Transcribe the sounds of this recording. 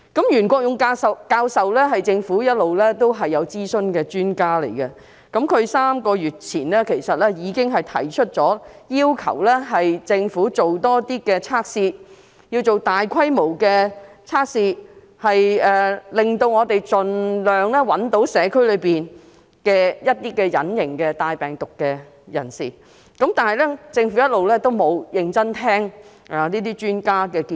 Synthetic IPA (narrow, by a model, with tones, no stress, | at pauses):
kɐ˨˥mjyː˨˩nkʷɔː˧k̚jʊ˨ŋkaː˧sɐ˨kaː˧wsɐ˨wlɛː˥ɦɐ˨jt͡sɪ˧ŋfuː˨˥jɐ˥t̚lo˨wlɛː˥t̪o˥wɦɐ˨jːɐ˨˧wt͡siː˥sɵ˧nkɛː˧t͡ʃyː˥nkaː˥lḛ˨˩jkɐ˧ | kɐ˨˥mkʰɵ˨˧ɥsaː˥mkɔː˧ɥyː˨t̚t͡sʰiː˨˩nlɛː˥kʰe˨˩jsɐ˨t̚lɛː˥jiː˨˧kɪ˥ŋɦɐ˨jt̪ʰɐ̰˨˩jt͡ʃʰɵ˥t̚t͡ʃɔː˨˥jiː˥wkʰɐ̰˨˩wlɛː˥ɦɐ˨jt͡sɪ˧ŋfuː˨˥t͡so˨wt̪ɔː˥t̪iː˥kɛː˧t͡sʰaː˥k̚siː˧ | ji˧wt͡so˨wt̪aː˨jkʰɐ˥jmo˨˩wkɛː˧t͡sʰaː˥k̚siː˧ | hɐ˨jɛː˨lɪ˨ŋt̪o˧wŋɔː˨˧t̪e˨jt͡ʃɵ˨nlœː˨ŋlɛː˥wɐ˨˥nt̪o˨˥wsɛː˨˧kʰɵ˥ɥlɵ˨˧ɥpiː˨n | kɛː˧jɐ˥t̚t̪iː˥kɛː˧jɐ̰˨˥njɪ˨˩ŋkɛː˧t̪aː˧jpɛː˨˩ŋt̪ʊ˨kːɛː˧ | jɐ̰˨˩nsḭː˨˩ | kɐ˨˥mt̪aː˨nhɐ˨˩jlɛ˥t͡sɪ˧ŋfu˨˥jɐ˥t̚lo˨wlɛː˥t̪o˥wmo˨˧wjɪ˨˧ŋt͡sɐ˥nt̪ʰɛː˥ŋ | a˨˩niː˥t̪iː˥t͡ʃyː˥nkaː˥kɛː˧ki˧